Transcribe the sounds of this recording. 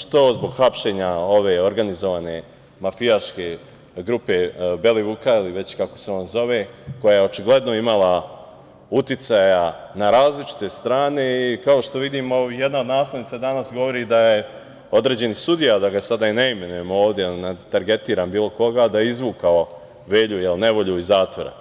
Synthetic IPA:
ʃt̪o̞zbo̞ɡxapʃe̞ɲao̞ʋe̞oɾɡanizoʋane̞ | mafijaʃke̞ | ɡɾupe̞be̞liʋukailiʋe̞t͡ɕkako̞̥se̞o̞ːnzo̞ʋe̞ko̞jajeo̞t͡ʃiɡle̞d̪no̞imalˠa | ut̪it̪sajanaɾaːzlit͡ʃi̥t̪e̞st̪ɾaːne̞ikaoʃt̪o̞ʋid̪iːmoijed̪naod̪naːsle̞ʋnit̪ad̪anasɡo̞ʋo̞ɾiːd̪aje | o̞d̪ɾe̞d͡ʑe̞nisud̪ijad̪aɡasad̪aineime̞nuje̞mooːʋd̪ʲjenet̪aɾɡe̞t̪iːɾambiːlˠo̞ko̞ɡaːd̪aeizʋuːkao | ʋe̞ːʎujelne̞ʋo̞ʎuizaːt̪ʋoɾa̰

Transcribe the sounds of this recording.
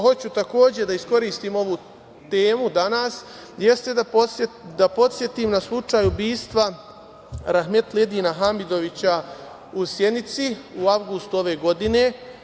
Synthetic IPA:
ɦo̞t͡ɕut̪ako̞ːd͡ʑed̪aisko̞ɾiːst̪iːmo̞ʋu | t̪e̞ːmud̪anaːs | je̞st̪e | d̪apo̞t̪sʲje̞t̪iːmnaslˠut͡ʂaːjubiːst̪ʋa | ɾaxme̞t̪led̪iːnaɦamid̪o̞ʋit͡ɕa | usje̞d̪nit̪siuaʋɡust̪uo̞ʋe̞ːɡo̞d̪ine̞

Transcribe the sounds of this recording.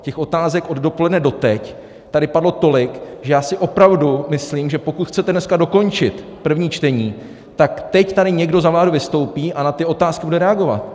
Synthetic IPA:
cɛxo̞t̪aːzɛkʔo̞ddo̞po̞lɛdnɛdo̞t̪ɛc | t̪adɪpadlo̞t̪o̞lɪkʒɛjaːsɪʔo̞pɾavdumɪsliːmʒɛpo̞kut̪xt͡sɛt̪ɛnɛskado̞ko̞nt͡ʃɪt̪ | pr̩vɲiːt͡ʃt̪ɛɲiː | t̪akt̪ɛct̪aɾɪɲɛɡdo̞zavlaːduvɪst̪o̞wpiːʔanat̪ɪo̞t̪aːskɪbudɛɾɛaɡo̞va̰t̪̚

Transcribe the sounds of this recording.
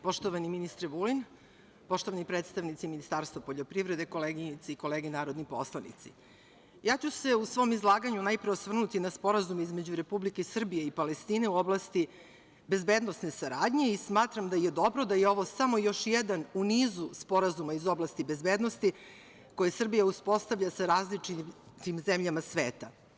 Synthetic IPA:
po̞ʃt̪oʋaniminist̪ɾeʋulin | po̞ʃt̪o̞ʋanipɾet̪st̪aʋnit̪siminist̪aːɾst̪vapoʎopɾiʋvɾe̞d̪eko̞leɡiɲit̪siiko̞leːɡenaːɾo̞d̪nipo̞̰slˠanḭt̪sḭ | jaːt͡ɕuse̞usʋo̞ːmizlˠaːɡaɲunajpɾeosʋr̩nut̪inaspo̞ɾazumizme̞d͡ʑuɾe̞publike̞isr̩bije̞ipale̞st̪iːne̞uo̞blˠast̪i | be̞zbeːd̪no̞sne̞saɾaːd̪ɲe̞ismaːt̪ɾamd̪ajed̪o̞bɾo̞d̪ajeo̞ʋo̞samo̞jo̞ʃjɛd̪anuniːzuspo̞ɾazumaizo̞blast̪ibe̞zbeːd̪nost̪i | ko̞jesr̩bijauspo̞st̪avʎasaɾaːzlit͡ʂi | t̪imzemʎamasʋeːt̪a

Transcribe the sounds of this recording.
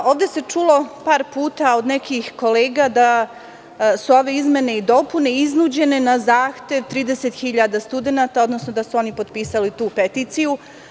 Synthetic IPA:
o̞ːʋd̪e̞se̞t͡ʂulo̞paːɾpuːt̪ao̞d̪nekixko̞leːɡad̪a | suo̞ʋe̞izme̞ne̞id̪o̞pune̞iznuːd͡ʑe̞ne̞nazaːxt̪e̞ʋt̪ɾiːd̪e̞set̪xiʎad̪ast̪ud̪e̞nat̪ao̞d̪no̞sno̞d̪asuo̞nipo̞d̪piːsalit̪uːpet̪iːt̪siju

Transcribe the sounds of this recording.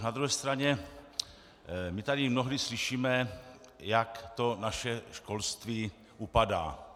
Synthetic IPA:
nad̪ɾuɦɛːst̪ɾaɲɛ | mɪt̪adɪmnoɦlislɪʃiːmɛ | jakt̪onaʃɛʃko̞lst̪viː | ʔupada̰ː

